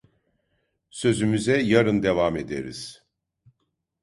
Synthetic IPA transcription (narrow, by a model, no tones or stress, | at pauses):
søzymyzɛjaɾɯnd̪e̞vamed̪ḛɾḭz̥